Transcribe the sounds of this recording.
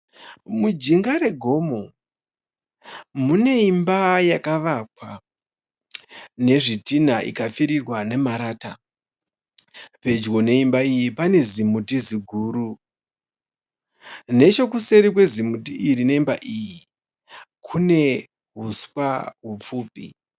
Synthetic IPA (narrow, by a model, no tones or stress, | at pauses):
mud͡ʒiŋɡaɾe̞ɡʱo̞mo̞ | mune̞imbajakaʋak̚wa | ne̞ʐitinaʔḭkafiɾirwane̞maɾaːta | pe̞d͡ʒɣo̞ne̞imbaijipane̞zimutiziɡʱuːɾu | ne̞t͡ʃo̞kuse̞ɾik̬we̞zimutiʔirine̞imba̰ʔiji | kʰune̞ | ɦuskwaɦup͡fuːpḭ